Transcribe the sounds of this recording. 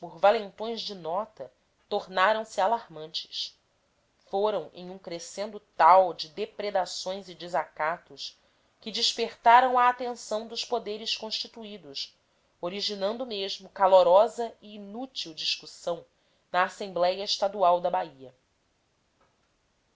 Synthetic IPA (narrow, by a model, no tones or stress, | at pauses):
pʊɾvalẽnt̪õj̃zd͡ʒɪnɔt̪ɐ | t̪oɾnaɾɐ̃w̃sɪalaɾmɐ̃nt͡ʃɪ̥s | foɾɐ̃w̃ḛ̃j̃ũkɾesẽnd̪ʊt̪awd͡ʒɪd̪epɾed̪asõj̃zɪd͡ʒɪzakat̪ʊʃ | kɪd͡ʒiʃpeχt̪aɾɐ̃w̃ɐːt̪ẽsɐ̃w̃d̪ʊʃpod̪eɾɪskõʃt͡ʃit̪uid̪ʊs | oɾiʒinɐ̃nd̪ʊmeʒmʊkaloɾɔzɐiːnut͡ʃiwd͡ʒiʃkusɐ̃w̃ | nɐːsẽmblɛjɐiʃt̪ad̪uawd̪ɐbaiɐ